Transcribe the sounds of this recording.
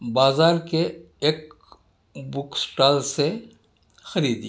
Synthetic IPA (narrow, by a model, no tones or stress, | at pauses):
baːzaːɾke | eːk | bʊksʈaːlse | xɐɾiːd̪i